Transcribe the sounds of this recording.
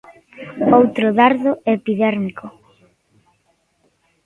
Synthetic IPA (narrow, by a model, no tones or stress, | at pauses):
owt̪ɾʊðaɾðʊepiðɛɾmiko